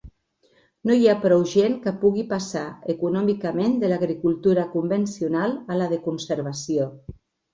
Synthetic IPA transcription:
nojapɾɔwʒeŋkəpuɣipasaekunɔmikamend̪əlaɣɾikulˠt̪uɾakumbensiunalˠalaðekunsəɾβ̞asio

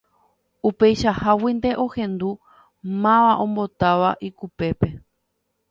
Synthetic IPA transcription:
upe̞jʃahawind̪e̞ʔo̞hẽ̞nd̪u | mãʋaʔõ̞mbo̞t̪aʋaʔikupe̞pe̞

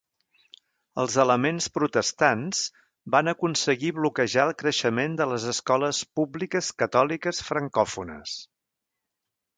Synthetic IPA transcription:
əlˠzələmenspɾut̪əst̪anz̥ | banəkunsəɣiβlukəʒaəlˠkɾəʃəmend̪ələzəskɔləspublikəskət̪ɔlikəsfɾəŋkɔfunə̰s

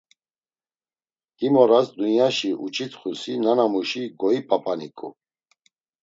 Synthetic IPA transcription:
d̪̥imɔɾasd̪unjaʃiʔut͡ʃʰʼit̪ʰχusinanamuʃiɡɔipʼapʼanikʼṵ

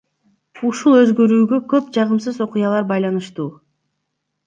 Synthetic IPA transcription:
uʃulˠø̞zɡø̞ɾyːɡø̞kø̞pd͡ʒɑʁɯmsɯzo̞qujɑlˠɑɾbɑjlˠɑnɯʃt̪uː

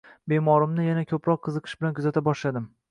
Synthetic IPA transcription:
be̞mɒɾɪmnɪjanakʲʰɵpɾɒqʰːɨzɨqʰɨʃbɪlankʰʊzat̪ʰabɒʃlad̪ɪm

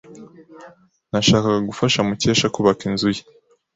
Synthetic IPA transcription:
naʃaːkaɡaɡufaʃamuce̞ːʃakuβakinzuji̥

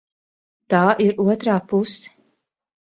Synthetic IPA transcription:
t̪aːʔiɾuɔt̪ɾaːpusɛ̥

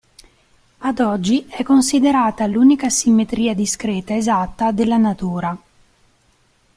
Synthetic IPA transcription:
ad̪ɔd͡ʒːiɛkːonsid̪eɾaːt̪aluːnikasimːet̪ɾiːad̪iskɾɛːt̪aezat̪ːad̪elːanat̪uːɾa

